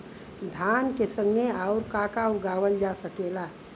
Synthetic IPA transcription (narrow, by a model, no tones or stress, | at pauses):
d̪ʱankesə̃ŋɡeaʊɾkakauɡawəld͡ʒasəkela